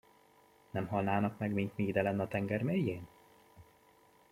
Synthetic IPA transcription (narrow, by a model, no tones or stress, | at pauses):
nɛmɦɒlnaːnɒkmɛɡmint̪miːd̪ɛlɛnːɒt̪ɛŋɡɛrmeːjːeːn